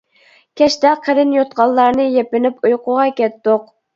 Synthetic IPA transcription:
kʲʰɛʃt̪ɛqʰəɾɪnjot̪qɑlˠːɑɾnɨjɛpɪnɪpujqʰʊʁɑkʲɛt̪ːʊq̚

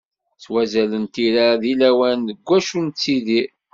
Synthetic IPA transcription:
t͡sːwæzælənt̪iɾaðilæwænðəɡʷːæʃunt͡sːiði

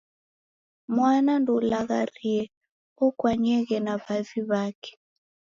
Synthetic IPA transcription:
mwanandɔlaɣariɛ | ɔkwaɲɛɣɛnaβaviβakɛ̥

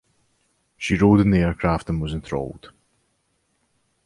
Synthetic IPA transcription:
ʃiɹoːdɨ̃nðiɛɹkʰɹ̥aftə̃nwʌzɪ̃nθʰɹ̥o̰ʊlˠd̥

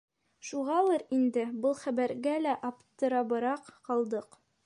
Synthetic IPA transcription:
ʃuʁɑlˠɤɾind̪ɘbɤlˠχæbæɾɡælæʔɑpt̪ɤ̆ɾɑbɤ̆ɾɑqqɑlˠd̪ɤq

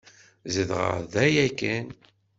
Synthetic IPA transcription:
zəðʁə̰ɾðæjækæn

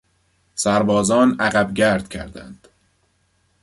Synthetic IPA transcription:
sæɾbɒːzɒːnæɣæbɟæɾd̪̥cʰæ̰ɾd̪æ̰nd̪̥

